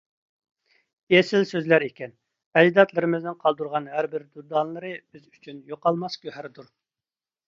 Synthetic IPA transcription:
esɪlsøzlæɾekʲɛn | ɛd͡ʒd̪ɑt̪lˠɨɾɨmɪznɪnqʰɑlˠd̪uɾʁɑnɦæɾbɪɾd̪ud̪ɑnlˠɨɾɨb̥ɪzy̥t͡ʃʰynjoqɑlˠmɑskʲøɦæɾd̪uɾ

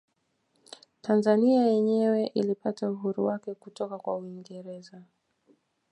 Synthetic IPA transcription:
tanzaniajɛɲɛwɛʔilipatauɦuɾuwakɛkutɔkakwa̰uiŋɡɛɾɛza

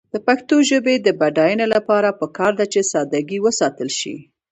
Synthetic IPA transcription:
d̪̥əpaxt̪oʒəbed̪əbaɖɑjənelapɑɾapəkɑɾd̪at͡ʃesɑd̪aɡiwəsɑt̪əlʃḭ

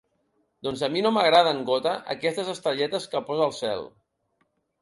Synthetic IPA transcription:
d̪ɔnzəminoməɣɾað̞əŋɡot̪əʔə̰kɛst̪əzəst̪əʎɛt̪əskəpɔzəlˠsɛ̰lˠ

